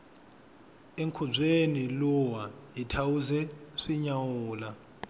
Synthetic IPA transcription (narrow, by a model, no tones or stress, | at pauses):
eŋkʰub͡ʐʱeniluwajitʰawuzɛʂiɲawuːla